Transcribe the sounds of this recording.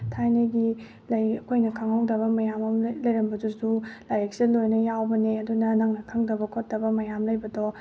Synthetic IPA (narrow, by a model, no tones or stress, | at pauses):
tʰajneɡi | lɐjɐkʰojnɐkʰɐŋhawdɐβɐmɐjamɐmlɐjɾɐmbɐdusulajɐk̚silojnɐjawbɐneɐdunɐnɐŋnɐkʰɐŋdɐbɐkʰot̚dɐbɐmɐjamlɐjbɐdɔ